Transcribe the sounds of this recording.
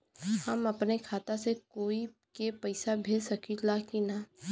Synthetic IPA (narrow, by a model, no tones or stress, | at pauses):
hɐmɐpnekʰaːt̪asekoːikepɐɪsabʱeːlsɐkilakina